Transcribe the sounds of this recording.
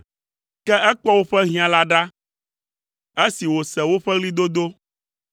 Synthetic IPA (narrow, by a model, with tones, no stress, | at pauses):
kɛ˦ɛ˦k͡pɔ˦wo˦ɸɛ˦ɦĩ˦a˨la˦ɖa˦ | e˦si˨wo˨sɛ˨wo˦ɸɛ˦ɣli˦d̪o˦d̪o˦